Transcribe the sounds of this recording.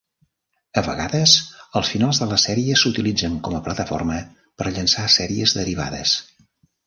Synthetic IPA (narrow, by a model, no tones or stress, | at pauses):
əβəɣaðəzəlˠsfinalˠzðələsɛɾiəsut̪ilid͡zəŋkɔməplət̪əfɔ̰rmə | pəɾʎənsasɛɾiəzðəɾiβ̞a̰ðə̰s